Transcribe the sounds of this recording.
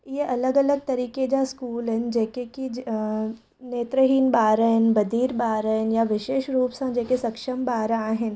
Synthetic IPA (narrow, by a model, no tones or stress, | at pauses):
jeʔɐləɡɐləɡ̚t̪ɐɾiːked͡ʒaskuːlɦɛnd͡ʒeːkeki | neːt̪ɾəɦiːnbaːɾəɦɪnbɐd̪ʱiːɾbaːɾɦɪnjaʋɪʃeːʃɾuːpsãd͡ʒeːkesɐkʃəmbaːɾaːɦɪn